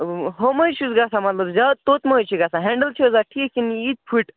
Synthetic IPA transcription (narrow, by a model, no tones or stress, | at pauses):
ɦoməjt͡ʃʰusɡasamɐt̪ləbzʲat̪ot̪mət͡ʃʰiɡasʰaɦẽɳɖəlt͡ʃʰiozaʈʰikːinit̪̚pʰiʈ